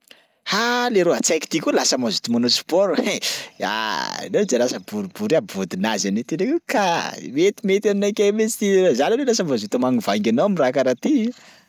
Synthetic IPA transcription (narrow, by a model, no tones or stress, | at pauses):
haleɾoɦat͡sajki̥t̪ikʲulasəmazut̪imanosi̥pɔɾea̰newd͡ʒalasəbuɾibuɾiabvod̪inazanet̪inekukamet̪imet̪ʲaninakʲemet͡si̥t̪iazalanelasamvazet̪omaŋivajŋɡʲanawamirakaɾat̪i